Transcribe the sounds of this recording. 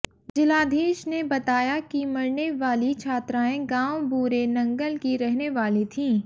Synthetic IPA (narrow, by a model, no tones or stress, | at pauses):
d͡ʒɪlaːd̪ʱeːʃnebɐt̪aːjakimɐɾneʋaːlit͡ʃʰaːt̪ɾaːẽɡãːwbuːɾenɐ̃ŋɡəlkiɾɛɦneʋaːlit̪ʰĩː